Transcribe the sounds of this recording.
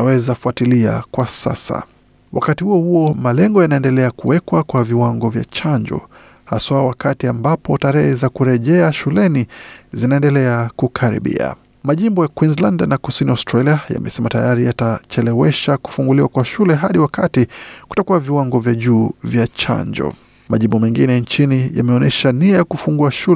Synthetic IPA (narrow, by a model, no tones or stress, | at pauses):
nawɛzafuatilia̰kwasa̰sa̰ | wʔa̰katihuɔhuɔmalɛŋɡɔjanaɛndɛlɛakuwɛkwakwaviwaŋɡɔvja̰t͡ʃaɲd͡ʒɔ̰ | haswaɔwakatiambapɔtaɾɛhɛzakuɾɛʄɛaʃulɛnizinaɛndɛlɛakukʰaɾḭɓḭa̰ | maʄimbɔjakwinzlandnakusiniaʊstɾaliaja̰mɛ̰sɛmatajaɾijatat͡ʃɛlɛwɛʃaku̥fuŋɡuliwakwaʃulɛɦaɗiwakatiku̥takuwaviwaŋɡɔvjaʄuːvjat͡ʃa̰ɲd͡ʒɔ̰ | maʄimbɔmɛŋɡinɛnt͡ʃinija̰mɛɔnɛʃaniajakufuŋɡuaʃu